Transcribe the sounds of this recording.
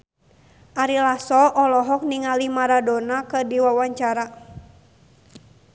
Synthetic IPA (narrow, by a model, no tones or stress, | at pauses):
ʔaɾilasɔʔɔlɔɦɔk̚niŋalimaɾadɔnakɨrdiwawaɲt͡ʃaɾa